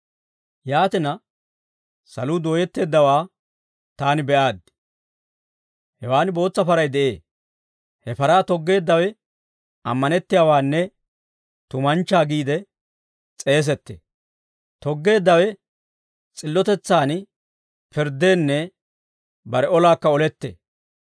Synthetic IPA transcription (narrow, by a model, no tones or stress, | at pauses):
jaːt̪ɪnɐ | sɐ̰lud̪o̞ːjɛt̪ːe̞ːd̪ːɐwaː | t̪aːnɪbɛʔaːd̪ɪ | hɛwaːnɪbo̞ːt͡sːɐpɐɾɐjd̪ɛʔe̞ː | hɛfɐɾaːt̪ɔɡːe̞ːd̪ːɐwɛ | ɐ̰mːɐnɛt̪ːɪjaːwaːnːɛ | t̪ʊmɐnt͡ʃːaːɡiːd̪ɛ | t͡sʼe̞ːs̬ɛt̪ːḛ | t̪ɔɡːe̞ːd̪ːɐwɛ | t͡sʼɪlːɔt̪ɛt͡sːaːn | pɪɾd̪e̞ːnːɛ | bɐɾɛɔlaːkːɐɔlɛt̪ːḛː